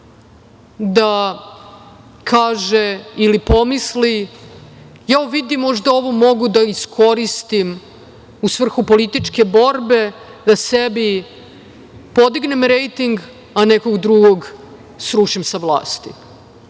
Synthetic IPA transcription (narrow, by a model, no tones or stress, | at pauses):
d̪a | kʰaːʒeilipo̞misli | jauʋid̪imːo̞ʒd̪ao̞ʋomo̞ɡud̪aiskʰo̞ɾist̪im | usʋr̩xupo̞lit̪it͡ʃke̞bo̞ɾbe̞d̪asebi | po̞d̪iɡne̞mɾejt̪iŋɡ | anekoɡd̪ɾuɡoɡ | sɾuʃimsaʋlˠa̰ːst̪ḭ